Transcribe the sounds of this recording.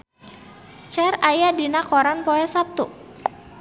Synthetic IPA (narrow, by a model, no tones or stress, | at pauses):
t͡ʃɛrajadinakɔɾanpɔɛsap̚t̪u